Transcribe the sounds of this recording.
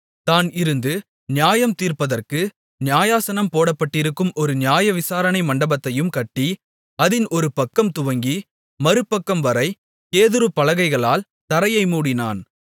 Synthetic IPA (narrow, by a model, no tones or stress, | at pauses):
t̪aːnɪɾɯnd̪ɯ | nɪjaːjɐmt̪iːrpɐðɐrkɯ | nɪjaːjaːsɐnɐmpoːɽɐpːɐʈːɪɾɯkːɯmʔɔɾɯnɪjaːjɐʋɪsaːɾɐɳɐɪmɐɳɖɐbɐt̪ːɐjɯmkɐʈːi | ɐðɪnʔɔɾɯpɐkːɐmt̪ʊʋɐŋɡi | mɐɾɯpːɐkːɐmʋɐɾɐɪ | keːðɯɾɯpːɐlɐɣɐɪɣɐɭaːl | t̪ɐɾɐjɐɪmuːɽɪna̰ːn